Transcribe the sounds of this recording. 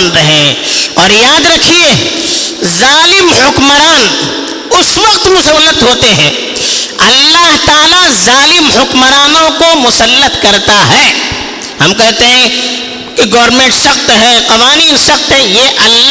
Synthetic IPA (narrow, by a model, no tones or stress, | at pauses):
nɾɐɦẽɔːɾjaːd̪ɾɐkʰieː | zaːlɪmhʊkməɾaːn | ʊsʋɐqt̪mʊsəʋːlət̪ɦoːt̪eɦɛ̃ː | ɐlːaːɦt̪aːlazaːlɪmhʊkməɾaːnõkomʊsəlːət̪kɐɾt̪aɦɛː | hɐmkɛɦt̪eɦɛ̃ | kiɡɔːɾmẽːɳʈsɐqt̪ɦɛːqɐʋaːniːnsɐqt̪ɦɛ̃jeʔɐlː